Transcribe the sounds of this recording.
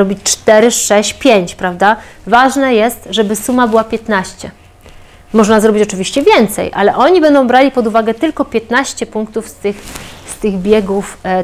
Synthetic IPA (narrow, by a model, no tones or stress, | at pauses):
ɾɔbʲit͡ɕt͡ʂt̪ɛɾɘʂɛɕt͡ɕpʲjeɲt͡ɕpɾavd̪avaʐnɛjɛst̪ʐɛbɘsumabɘwapʲjɛt̪naɕt͡ɕɛ | mɔʐnazɾɔbʲit͡ɕɔt͡ʂɘvʲiɕt͡ɕɛvʲjɛnt̪sɛ̰jʔa̰lɛʔɔɲibɛnd̪ɔ̃w̃bɾalʲipɔd̪uvaɡɛt̪ɘlkɔpʲjɛt̪naɕt͡ɕɛpuŋk̚t̪ufst̪ɘxst̪ɘɣbʲjɛɡuf